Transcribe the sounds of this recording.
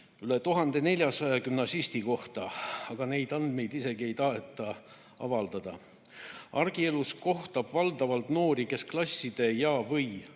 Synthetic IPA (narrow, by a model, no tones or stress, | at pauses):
yle̞t̪uɦɑnd̪̥e̞ne̞lʲjɑsɑjɑkymnɑsist̪iko̞ht̪ɑɑɡ̥ɑne̞jd̪ɑnd̪me̞jd̪ise̞ɡie̞jt̪ɑɦe̞t̪ːˑɑ | ɑ̰vɑld̪̥ɑd̪̥ɑ | ɑrɡ̥ie̞lusko̞ht̪ɑb̥vɑld̪̥ɑvɑlt̪no̞ːɾike̞sklɑsʲːid̪̥e̞jɑːvɤj